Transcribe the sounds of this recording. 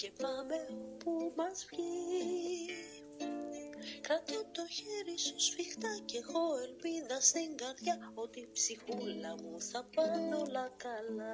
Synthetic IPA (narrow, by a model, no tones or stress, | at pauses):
ce̞pɐmepumɐsçi | kɐt̪ot̪o̞çeɾisusfixt̪ɐce̞ɣoe̞lpiðɐsiŋɡɐɾðʝɐo̞t̪ipsixulɐmuθɐpɐnd̪olɐkɐlɐ